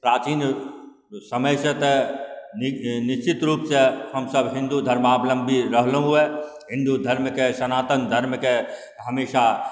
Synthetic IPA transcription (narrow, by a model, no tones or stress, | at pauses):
pɾaːt͡ʃiːn | sɐməjsət̪ | nɪʃt͡ʃɪt̪ɾuːpsehɐmsəbɦɪ̃nd̪ud̪ʱɐɾmaːblə̃mbʱiɾəɦlɦue | ɦɪ̃nd̪ud̪ʱɐɾmkeʃɐnaːt̪ənd̪ʱɐɾmke | ɦɐmeːʃa